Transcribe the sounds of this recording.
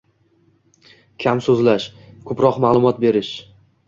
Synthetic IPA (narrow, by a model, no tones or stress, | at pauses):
kʲʰamsɵzlaʃkʰɵpɾɒqmaːlˠʊmɒt̪̚be̞ɾɪʃ